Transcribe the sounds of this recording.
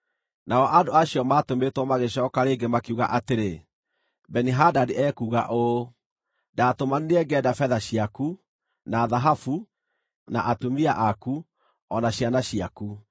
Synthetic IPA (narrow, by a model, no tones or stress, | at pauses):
naɔʔandoaɕiɔmaːtometwɔmaɣeɕɔːkaɾeːŋɡemakeuɣa̰ʔateɾe | bɛniɦadadiʔɛkuːɣa̰ʔo | daːtomanneɛɡɛdafɛðaɕiaku | naːðaɦafu | na̰ʔatumiaʔaku | ɔnaɕijanaɕiaku